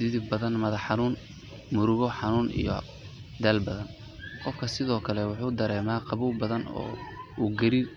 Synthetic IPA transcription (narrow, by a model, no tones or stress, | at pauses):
d̪ɪðɪbbɐðɐnmɐðɐħɑnuːn | mʊɾʊɣɔħɑnuːnʔḭjɔ̰ | d̪ɐlbɐðɐn | qɔfkʰɐsɪðɔːkʰɐlɛwʊħuːd̪ɐɾɛːmaːqɑβuːlbɐðɐnɔ̰ːuːɡɐɾiːr